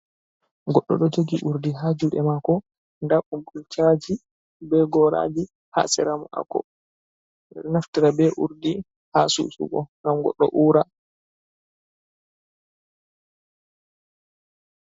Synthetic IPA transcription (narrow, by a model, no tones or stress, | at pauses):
ɡɔɗːɔ̰ɗɔd͡ʒoɡiʔuɾdiɦaːd͡ʒuɗɛmakɔ | ndaɓumbult͡ʃad͡ʒi | bɛɡɔɾa̰d͡ʒi | ha̰sɛɾamɔʔa̰kɔ̰ | naftiɾabɛʔuɾdi | haːsṵsṵɡɔ̰ŋɡamɡɔ̰ɗːɔ̰ʔuːɾa